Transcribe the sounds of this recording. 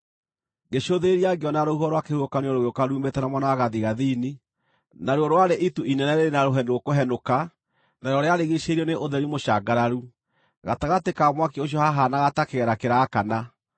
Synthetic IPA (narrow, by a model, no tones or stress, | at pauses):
ɡeɕoðeɾiaɡeɔnaɾouɦɔɾwakehuokaneɔɾoɣeokaɾuːmbetɛnamwanawaɣaðiɣaðini | naɾwɔɾwaɾeʔituinɛnɛɾeɾenaɾoɦɛndwokoɦɛnoka | naɾɔɾeaɾeɣeʃeɾiɔneʔoðɛɾimoɕaɡaɾaɾu | ɣataɣatekamwakeoɕ̬jɔhaɦanaɣatakeɣɛɾakeɾaːkana